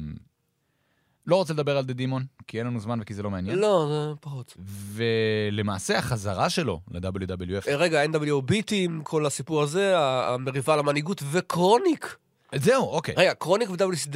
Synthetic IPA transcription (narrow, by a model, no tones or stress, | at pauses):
lo̞ʁot͡seld̪abe̞ʁald̪ed̪imo̞nkienlanuzmanvekizelo̞meanjenlo̞zepaχut̪vele̞maːseaχazaʁaʃe̞lo̞̰led̪abeljud̪abeljueʁeɡaend̪abeljuobit̪imkʰo̞lasipuʁaze̞a̰ːmeʁivalamaniɡut̪vekʁonik | zeuʔo̞kḛjʁeɡakʁo̞nikved̪abeljusid̪